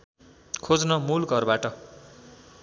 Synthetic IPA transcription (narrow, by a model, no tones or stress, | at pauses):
kʰod͡znʌmulɡʱʌrbaʈʌ